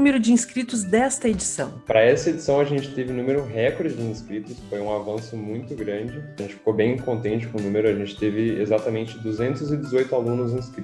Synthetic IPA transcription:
umeɾʊd͡ʒɪĩskɾit̪ʊzd̪ɛst̪ɐed͡ʒisɐ̃w̃pɾɐɛsɐed͡ʒisɐ̃w̃ɐʒẽnt͡ʃɪ̥t̪evɪnũmeɾʊɦɛkoɾd͡ʒd͡ʒɪĩskɾit̪ʊsfojũavɐ̃sʊmũj̃t̪ʊɡɾɐ̃d͡ʒɪɐʒẽnt͡ʃɪfi̥kobẽj̃kõnt̪ẽnt͡ʃɪ̥kõʊnũmeɾʊaʒẽnt͡ʃɪ̥t̪evɪezat̪ɐmẽnt͡ʃɪd̪uzẽnt̪ʊzɪd͡ʒɪzojt̪ʊalũnʊzĩskɾi

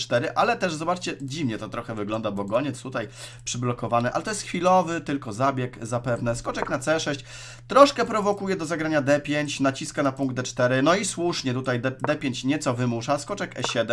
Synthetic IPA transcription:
t̪ɛɾɘʔalɛt̪ɛʐzɔbat͡ʂt͡ɕɛd͡ʑivɲɛt̪ɔt̪ɾɔxɛvɘɡlɔnd̪abɔɡɔɲɛt̪st̪ut̪ajpʂɘblɔkɔvanɘʔa̰lɛt̪ɔjɛst̪xfʲilɔvɘt̪ɘlkɔzabʲjɛkzapɛvnɛskɔt͡ʂɛknat̪sɛʂɛɕt͡ɕ | t̪ɾɔʂkɛpɾɔvɔkujɛd̪ɔzaɡɾaɲad̪ɛpʲjeɲt͡ɕnat͡ɕiskanapuŋɡd̪̚d̪ɛt͡ʂt̪ɛɾɘnɔiswuʂɲɛt̪ut̪ajd̪d̪ɛpʲjeɲt͡ɕɲɛt̪sɔvɘmuʂaskɔt͡ʂɛkɛɕɛd̪ɛ

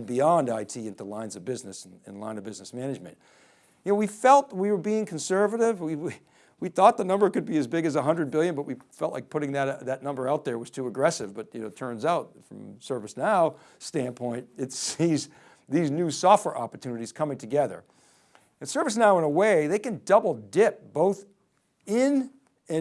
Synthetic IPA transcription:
biɑ̃ndaɪtʰiɪ̃ntulãɪ̃nzʌvbɪznɨsn̩ɨ̰̃nlãɪ̃nʌvbɪznɨsmænɨd͡ʒmɨ̰̃nt̚ | jɨnoʊwifɛlˠt̚wiwə˞biɪ̃ŋkʰn̩sɜ˞vɨɾɪvwiwi | wiθɔt̪̚ðənʌ̃mbə˞kɨd̚biɨzbɪɡɨzəɦʌ̃ndɹɨd̚bɪlˠjɨ̃nbʌt̚wifɛlˠʔˡlaɪk̚pʰʊɾɪ̃ŋðɨɾðɨtⁿnʌ̃mbə˞aʊt̪̚ðə˞wʌz̥tʰʉɨɡɹɛsɨvbʌt̚jɨnoʊtʰɜ̃˞nzaʊt̚fɹʌ̰̃msɜ˞vɨsnaʊ | stæ̃npʰɔ̃ɪ̃nt̚ɨtsiz | ðiznʉsɔft̚wɛ̰ɹʔɑpə̥˞tʰʉnɨɾiz̥kʰʌmɪ̃ŋtʰɨɡɛðə̰˞ | ɨ̃nsɜ˞vɨs̬naʊə̃nəweɪðeɪkɨ̃ndʌbl̩ˠdɪp̚b̥oʊθ | ɪ̃n | ɨ̃

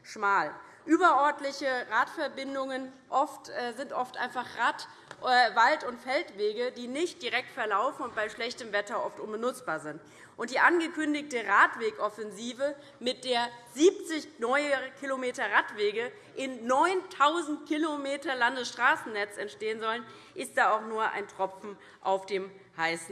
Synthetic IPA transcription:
ʃmaːl | ʔyːbɐʔœɐtlɪçəʁaːtfɛɐbɪndʊŋən | ʔɔftɛːzɪntʔɔftʔa̰ɪnfaχʁat | ɛvaltʊntfɛltv̥eːɡədiːnɪçt̚d̥iʁɛk̚tfɛɐlaʊfn̩ʊntb̥aɪʃlɛçtəmvɛtɐʔɔftʔʊnbənʊt͡sb̥aːɐzɪnt | ʔʊntd̥iːʔanɡəkʰʏndɪçtəʁaːtv̥eːkʔɔfɛnziːvə | mɪt̚d̥eːɐz̥iːp̚t͡sɪçnɔʏkʰilomeːtɐʁatv̥eːɡə | ʔɪnːɔʏntʰaʊzn̩tkʰilomeːtɐlandəsʃtʁ̥aːsn̩nɛt͡sɛntʃteːənzɔlən | ʔɪst̚d̥aːaʊxnuːɐʔa̰ɪntʁ̥ɔpp͡fm̩ | ʔaʊfd̥eːm | haɪsn̩

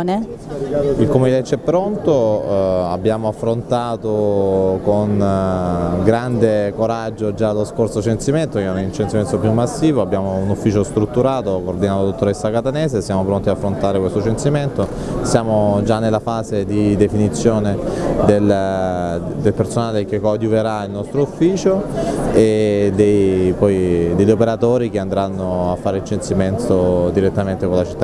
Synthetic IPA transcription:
ne | ilkomed̪ɛt͡ʃːɛpːɾont̪o | abːjaːmoafːɾont̪aːt̪okon | ɡɾand̪ekoɾad͡ʒːod͡ʒalːoskorsot͡ʃent̪siment̪oɛint͡ʃensiment̪opjumːasːiːvoabːjaːmounufːiːt͡ʃost̪ɾut̪ːuɾaːt̪okoːrd̪inaːt̪olad̪ot̪ːoɾesːakat̪aneːsesjaːmopɾont̪iaafːɾont̪aːɾekwest̪ot͡ʃensiment̪o | sjaːmod͡ʒanːelːafaːzed̪id̪efinit̪sːjoːned̪el | d̪elpersonaːlek̟ekːɔd̪juveɾailnɔst̪ɾoufːiːt͡ʃoed̪ejpɔjd̪eʎːopeɾat̪oːɾik̟eand̪ɾanːoafːaːɾeint͡ʃent̪siment̪od̪iɾet̪ːament̪ekolat͡ʃi̥t̪ːa

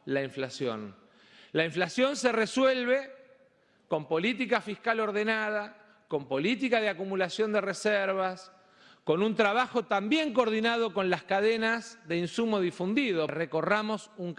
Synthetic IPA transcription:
laiɱflasjo̞̰n | laiɱflasjo̞nsereswelβe | ko̞mpo̞lit̪ikafihkalo̞ɾðe̞nað̞a | ko̞mpo̞lit̪ikaðeakumulasjo̞nd̪e̞reseɾβas | ko̞nunt̪ɾaβaxo̞t̪ambje̞ŋk̬oːɾðinað̞o̞ko̞nlaskaðenazðe̞insumo̞ðifund̪iðo̞reko̞ramo̞suŋ

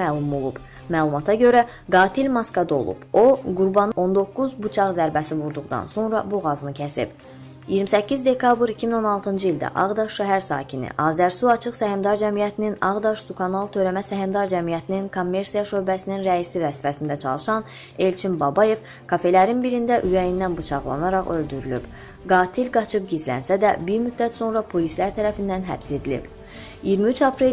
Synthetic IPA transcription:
ælˠumolˠṵb̥ | mæːlˠumɑt̪ʰɑɟø̞ɾæ | ɡɑːt̪ʰilmɑskɑd̪o̞̰lˠṵb̥o̞ɡuɾbɑnɯo̞nd̪o̞kːuzbut͡ʃʰɑʁzæɾbæsivuɾd̪uʁd̪ɑ̰nso̞nɾɑbuɣɑzɯnɯcʰæsḭb̥ | ijiɾmisæcːizd̪e̞kʰɑbɾicʰimino̞nɑlˠt̪ʰɯnd͡ʒɯilʲd̪æ̰ʔɑ̰ʁd̪ɑʃʃæɦæɾsɑ̰ːcʰinḭʔɑːzæɾsuɑt͡ʃʰɯχsæhimd̪ɑɾd͡ʒæmijæt̪ʰininɑʁd̪ɑʃsukʰɑnɑlˠt̪ʰø̞ɾæmæsæɦimd̪ɑɾd͡ʒæmijæt̪ʰininkʰomːe̞ɾsijɑʃø̞ɾbæsininɾæisivæsfæsind̪æt͡ʃʰɑ̰lˠɯʃɑn | e̞lt͡ʃʰimbɑbɑje̞v | kʰɑfe̞læɾinbiɾind̪æʔyɾæjind̪ænbɯt͡ʃʰɑ̰ʁlˠɑ̰nɑɾɑʁø̞ld̪yɾylyb̥ | ɡɑːt̪ʰilɡɑt͡ʃʰɯp̚ɟizlæ̰nsæd̪æbiɾmyd̪ːæt̪so̞nɾɑpʰo̞lislæɾt̪ʰæɾæfind̪ænɦæ̰pse̞d̪ilḭb̥ | ijiɾmiyt͡ʃʰɑpɾe

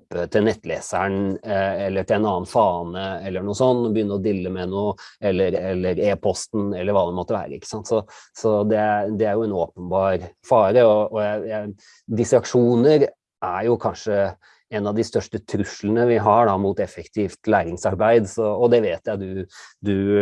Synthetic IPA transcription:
pːət̪ʰɪlnɛt̪ːlḛːsəɳɛlːəʈʰɪlɛnɑːnfɑːnəɛlːəɳuːsɔnːɔbəjʏnːəɾɔd̪ɪlːəmɛnuːəɛlːəɾɛlːəɾeːpʰɔst̪n̩ɛlːəɾʋɑːd̪ɛnmɔt̪ːəʋæ̰ːɾəɪkːə̥sɑnt̪sɔsɔd̪ɛd̪ɛæɾjʊɛnoːpənbɑːɾfɑːɾəɔɔjæɪjæ | d̪ɪsəɾɑkʂuːnəɾ | æɾjʊkʰɑnʂə | ɛnɑʋd̪ɪst̪œʂʈət̪ʰɾʉʂlənəʋɪɦɑɖɑmut̪ɛfːəkt̪ʰiːft̪læːɾɪŋsɑɾbæɪd̪sɔɔd̪ɛʋeːt̪jæɪd̪ʉd̪ʉ

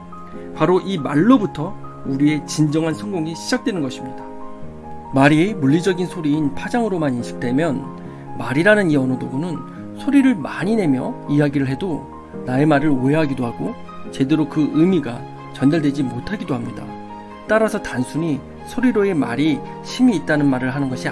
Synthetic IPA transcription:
paɾoʔimaɭːobutʰʌ | uɾie̞t͡ɕind͡ʑʌŋɦansʰʌŋɡoŋiɕʰid͡ʑak̚t͈enɯnɡʌɕʰimɲida | maɾiemuɭːid͡ʑʌɡinsʰoɾiːnpʰad͡ʑaŋɯɾomaninɕʰi̥k̚t͈we̞mjʌn | maɾiɾanɯniʌnɯdoɡonɯn | sʰoɾiɾɯɭmaɲine̞mjʌijaɡiɾɯɭɦe̞do | nae̞maɾɯɭoɦeɦaɡidohaɡo | t͡ɕe̞de̞ɾokɯɯmiɡa | t͡ɕʌndaɭdwe̞d͡ʑimotʰaɡidoɦamɲida̰ | t͈aɾasʰʌtansʰuɲi | sʰoɾiɾoe̞ma̰ɾi | ɕʰimiːt̚t͈anɯnmaɾɯɭɦanɯnɡʌɕʰi

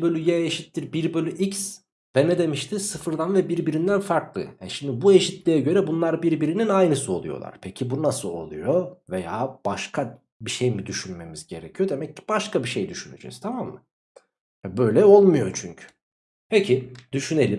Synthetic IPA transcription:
bølʲyjɛeʃit̪ːiɾbiɾbølʲyʔics | vɛned̪e̞miʃt̪ʰisɯfɯɾd̪anvɛbiɾbiɾind̪ænfaɾklˠɯ̰hɛ̰ʃimd̪ibue̞ʃit̪lʲijɛɟø̞ɾɛbunlˠaɾbiɾbiɾininajnɯsɯo̞lˠṵjo̰a̰ɾ̥pʰecʰibunasɯlˠo̞̰lˠṵjovejaːb̥aʃkʰa | biʃejmid̪yʃynme̞mizɟe̞ɾɛcʰijo̞d̪e̞mɛcːi̥baʃkʰabiʃejd̪yʃyny̰d͡ʒɛ̰z̥t̪ʰamamːɯ | hɛbø̞jlʲɛolˠmujo̞t͡ʃʰyɲcʰy̥ | pʰecʰid̪̥yʃyne̞lʲim

